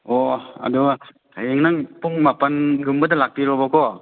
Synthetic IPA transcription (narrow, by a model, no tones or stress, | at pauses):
oa̰du | ajeŋnaŋpuŋmapanɡumbɐdalak̚piɾɔbakʰɔ